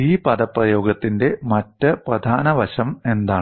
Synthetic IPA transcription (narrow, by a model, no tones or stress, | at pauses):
iːpɐðɐpːrɐjo̞ːɡɐt̪ːinde̞mɐtːɐprɐd̪ʱaːnɐʋɐɕɐme̞nd̪aːɳ